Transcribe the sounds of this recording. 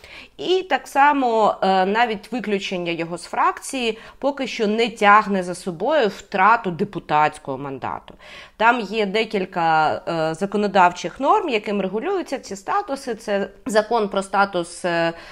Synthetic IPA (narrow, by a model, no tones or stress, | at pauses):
it̪ɑksɑmɔnɑʋʲitʲʋɪklʲʊt͡ʃenʲːɐjɔɦɔsfɾɑkt͡sʲijipɔkɪʃt͡ʃɔnɛtʲaɦnɛzɐsɔbɔjʊwt̪ɾɑt̪ʊd̪epʊt̪ɑt͡sʲkɔɦɔmɐnd̪ɑ̰t̪ʊ | t̪ɑmjɛd̪ɛkʲilʲkɐzɐkɔnɔd̪ɑwt͡ʃɪxnɔrmjɐkɪmreɦʊlʲujʊt͡sʲːɐt͡sʲist̪ɑt̪ʊsɪt̪sɛzɐkɔnpɾɔst̪ɑt̪ʊs